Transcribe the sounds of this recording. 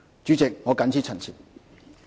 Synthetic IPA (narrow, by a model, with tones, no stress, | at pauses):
t͡ʃyː˨˥t͡sɪ˨k̚ŋɔː˨˧kɐ˨˥nt͡sʰiː˥t͡sʰɐ˨˩nt͡sʰiː˨˩t̚